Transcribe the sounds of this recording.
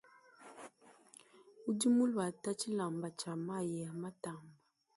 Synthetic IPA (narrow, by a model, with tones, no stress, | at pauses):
u˦di˦mu˦lwa˨ta˦t͡ʃi˦la˨mba˨t͡ʃa˨ma˦˨jɛ˨ma˦ta˨mba˨